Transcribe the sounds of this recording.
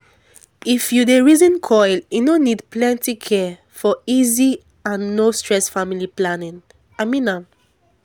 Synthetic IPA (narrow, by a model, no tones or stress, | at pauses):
ifjudeɹizɔ̃nkʰɔjljunonidplɛ̃ntikʰɛ | fɔizi | ãnːostɹɛsfamiliplanĩŋ | amĩnã